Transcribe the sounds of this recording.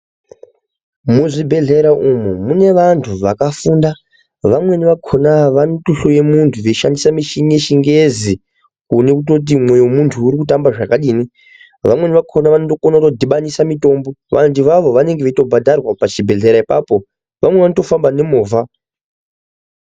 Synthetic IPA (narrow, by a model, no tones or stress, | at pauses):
muʐibʱe̞ɮe̞ɾaʔumumune̞ʋantʰuʋakafuːnda | ʋamwe̞niʋakʰonaʋanotoɬoje̞muntʰuʋeʃandisamiʃineʃiŋɡezi | kune̞kut̬o̞t̬imwe̞jomuntʰuːɾikutambaʐakaɗiːni | ʋamwe̞niʋakʰo̞naʋanoto̞konautodʱiɓanisamito̞mboʋʔa̰ndiʋaʋo̞ʋane̞ŋɡeʋeto̞bʱadʱarwapat͡ʃibʱe̞ɮe̞ɾaipa̰po̞ | ʋʔa̰mwe̞ʋanoto̞fambane̞moːva